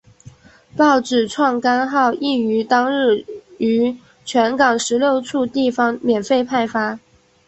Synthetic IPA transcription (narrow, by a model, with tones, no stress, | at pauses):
pɑ˥˩ʊʈ͡ʂɻ̩˨˩ʈ͡ʂʰwɑ˥˩ŋka˥nxɑ˥˧ʊʔi˥˩y˧˥t̪ɑ˥ŋɻ̩˥˩y˧˥ | t͡ɕʰɥɛ˧˥nkɑ˨˩ŋʂɻ̩˧˥ljo˥˧ʊt͡sʰu˥˧t̪i˥˩fɑ˥ŋmjɛ˨˩nfe˥˧ɪpʰa˥˩ɪfa˥